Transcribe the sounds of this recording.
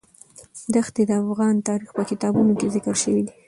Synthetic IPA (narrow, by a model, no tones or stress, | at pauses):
d̪axt̪ed̪əafɣɑnt̪ɑɾixpəkɪt̪ɑbunokezɪkəɾʃəwid̪i